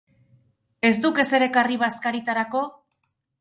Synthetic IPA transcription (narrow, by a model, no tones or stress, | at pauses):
e̞zd̪uke̞se̞ɾe̞kariβaskaɾit̪aɾako̞